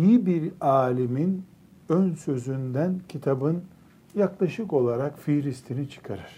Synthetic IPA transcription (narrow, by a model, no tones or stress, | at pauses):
jibiɾaːlʲimin | ønsø̞zynd̪æncʰit̪ʰabɯn | jaklˠaʃɯko̞lˠaɾakfiɾist̪ʰinit͡ʃʰɯ̥kʰaɾɯɾ̥